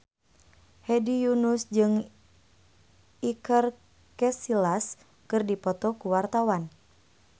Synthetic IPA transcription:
hɛdijunusd͡ʒɨŋ | ikər | kɛsilas | kɨrdipɔt̪ɔkuwart̪awan

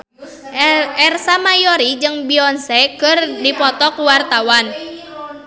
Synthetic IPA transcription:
ɛrsamajɔɾid͡ʒɨŋbiɔnsɛkərdipɔt̪ɔkuwart̪awan

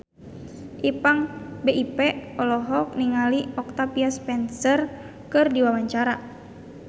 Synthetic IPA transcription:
ʔipaŋbeʔipɛɔlɔɦɔk̚niŋaliʔɔk̚t̪apiaspɛnsər | kɨrdiwawaɲt͡ʃaɾa

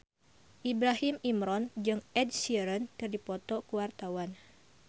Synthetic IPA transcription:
ʔibɾaɦɪmimɾɔnd͡ʒɨŋʔɛd̚siɾənd̥ardipɔt̪ɔkuwart̪awan

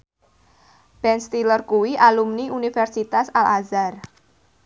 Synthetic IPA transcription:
b̥ɛnst̪ilərkuwiʔalumniunifɛrsit̪asalazar

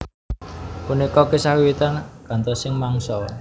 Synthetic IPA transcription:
punikɔkesawiwit̪anɡ̥a̤nt̪ɔsɪŋmaŋsɔ

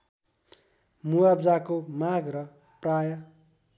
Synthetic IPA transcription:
muabd͡zakomaɡrʌ | prajʌ

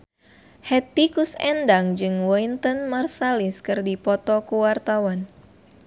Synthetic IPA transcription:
hɛt̪̚ikusɛndaŋd͡ʒɨŋwɔint̪ənmarsaliskɨrdipɔt̪ɔkuwart̪awan

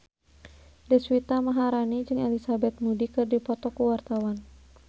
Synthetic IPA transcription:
dɛswit̪amaɦaɾanid͡ʒɨŋɛlisabɛt̪̚mudikɨrdipɔt̪ɔkuwart̪awan

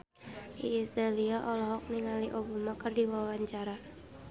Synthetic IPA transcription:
ʔḭːsdaliaʔɔlɔɦɔk̚niŋaliʔobamakərdiwawaɲt͡ʃaɾa

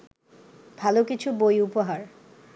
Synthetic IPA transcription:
b̥ʱalokit͡ɕʰubojupoɦaɾ

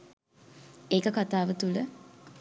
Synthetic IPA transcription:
eːkəkat̪aːʋət̪ulə

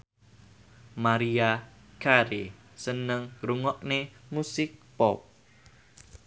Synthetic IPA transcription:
maɾiakʰaɾe | sənəŋɾuŋɔʔnemusɪk̚pɔp̚

